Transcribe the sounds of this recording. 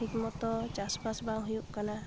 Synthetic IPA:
ikmɔt̪ɔt͡ʃaspasbaŋɦujuʔkana

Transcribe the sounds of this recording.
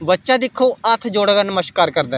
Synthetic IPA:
bətːʃaːd̪ɪkʰːoːət̪ʰd͡ʒoɽɡanəməʃkaːɾkəɾd̪ɛː

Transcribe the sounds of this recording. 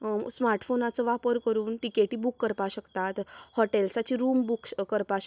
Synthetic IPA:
smaɾʈfonat͡səʋapəɾkəɾuːnʈikeʈiːbukːəɾpaɕəkt̪at̪hɔʈelsat͡ɕiɾuːmbukkəɾpaɕ

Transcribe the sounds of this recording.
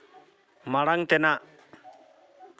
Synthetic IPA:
maɽaŋt̪ɛna

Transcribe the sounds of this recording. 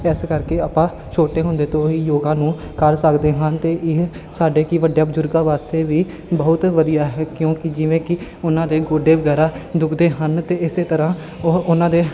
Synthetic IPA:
ɛːskəɾkeːaːpãː | t͡ʃʰoːʈeːɦʊ̃nd̪eːt̪õːiːjoːɡãːnũː | kəɾsəkd̪eːɦənt̪eːʔɪɦ | saːɖeːkiʋəɖjaːbəd͡ʒʊɾɡaːʋaːst̪eːʋiː | bəɦʊt̪ʋəd̪ijaːɦɛːkjõːkɪd͡ʒɪʋẽːkɪʊnãːd̪eːɡoːɖeːʋəɡɛːɾaːd̪ʊkʰd̪eːɦənt̪eːɪseːt̪əɾãː | oʊnãːd̪eː

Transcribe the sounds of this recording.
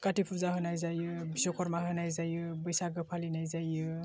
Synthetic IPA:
katipʰuɾzaɦɯnajzajɯbisɔkʰɔɾmaɦɯnajzajɯbəjsaɡɯpʰalinajzajɯ

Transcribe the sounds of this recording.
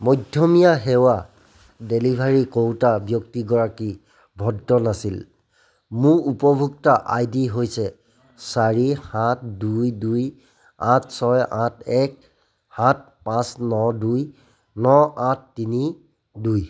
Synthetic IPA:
mɔjdʱjɔmijaɦɛwa | delibʱaɹikowtabjɔktiɡɔɹaki | bʱɔdːɔnasil | muɹupɔbʱuktaʔajdiɦojsɛ | saɹihat̚dujduj | ãtʰsɔjʔãtʰɛk̚ | hãt̚pãsnɔduj | nɔãtʰːini | duj

